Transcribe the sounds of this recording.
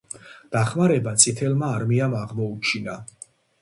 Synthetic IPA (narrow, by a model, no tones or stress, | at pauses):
d̪̥aχmaɾɛbat̪sʼit̪ʰɛlˠmaːɾmiamaʁmɔut͡ʃʰina